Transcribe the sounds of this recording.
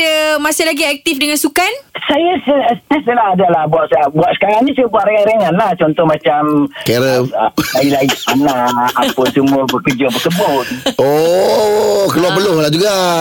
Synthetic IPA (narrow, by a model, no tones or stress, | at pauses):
əmasɪlaɡiɛk̚t̪ifdəŋansukansajasəəst̪ɛsəlaadalahbuaʔsaabuaʔsə̥kaɾaŋnĩsuabuaʔɾeŋaɾeŋanlaht͡ʃɔnt̪ɔhmat͡ʃamkeɾəlailaianaapʊnsumʊbəkəd͡ʒabəsəboʔo | kəluapəlohlad͡ʒuɡa